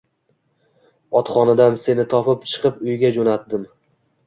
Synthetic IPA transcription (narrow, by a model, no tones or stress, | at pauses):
ɒt̪χɒnad̪anse̞nɪt̪ʰɒpɪp̚t͡ʃʰɨ̥qʰɨpʊjɡʲad͡ʒonat̪̚d̪ɪm